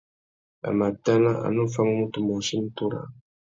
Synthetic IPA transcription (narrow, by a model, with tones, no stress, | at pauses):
a̰˨ma˨da˦na˦ʔa̰˨nu˦fa˦mu˦mu˦t̪u˨mo˨ʃi˦n̩˦t̪u˦ɾa̰˨